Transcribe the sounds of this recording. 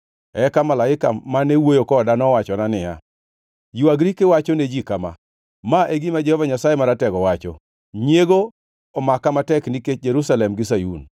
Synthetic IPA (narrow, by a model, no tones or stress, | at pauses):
ɛkamalaɪka̰manewojokɔdanɔwat͡ʃɔnanɪja̰ | juaɡɾikewat͡ʃɔned͡ʒikama̰ | maʔeɡimad͡ʒɛhɔvaɲasajemaɾatɛɡɔwat͡ʃɔ̰ | ɲeɡo | ɔmakamatɛkniket͡ʃ̚d͡ʒeɾusalɛmɡɪs̬ajṵn